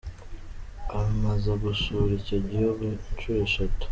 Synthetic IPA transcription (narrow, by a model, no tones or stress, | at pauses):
amazaɡusuɾiceɟioɡet͡ʃueʃatu̥